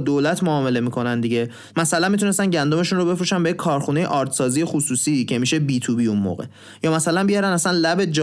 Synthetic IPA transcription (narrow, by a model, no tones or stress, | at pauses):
d̪oːlæt̪ʰmoɒːme̞le̞miːkʰo̞nænd̪iɟe̞ | mæsælænmit̪̬ʰune̞st̪ænɟænd̪o̞me̞ʃunro̞be̞fɾuːʃænbejekʰːɒːɾxune̞jḛʔɒːɾt̪ʰsɒːzije̞xusuːsicʰe̞miːʃe̞biːt̪ʰuːbiunmo̰ːɣe̞ | jɒːmæsælænbijɒɾænæsænlæbe̞d͡ʒ